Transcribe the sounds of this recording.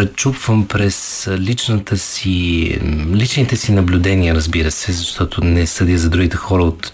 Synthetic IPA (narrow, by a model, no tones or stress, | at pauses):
ɾɛt͡ʃupvəmpɾɛs | lit͡ʃnət̪ʰəsi | lit͡ʃnit̪ɛsinɐblʲʊd̪ɛniəɾəzbiɾəsɛzɐʃt̪ɔt̪onɛsəd̪iəzɐd̪ɾuɡ̟it̪ɛxɔɾəot̪